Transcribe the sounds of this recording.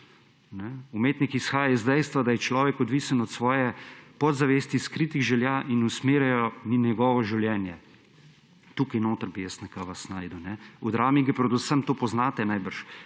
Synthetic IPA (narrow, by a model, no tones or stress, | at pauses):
nɛumeːt̪nikisxaːjajɛzd̪ɛjst̪ʋad̪ajɛt͡ʃlɔːʋɛkɔd̪ʋisənɔt̪sʋɔːjɛpɔd̪zaʋeːst̪iskɾit̪iɣʒɛljaʔinusmeːɾɛjɔninjɛɡɔːʋɔʒiwljɛːnjɛ | t̪uːkajnoːt̪əɾbijɛsnɛkaʋasnaːjd̪əwnɛɔd̪ɾaːmiɡɐpɾɛd̪usəmt̪oːpɔznaːt̪ɛnajbəɾʃ